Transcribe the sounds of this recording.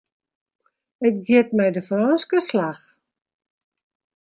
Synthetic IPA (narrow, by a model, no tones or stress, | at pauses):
ətɡiətmɛjdəfrɔnskəslax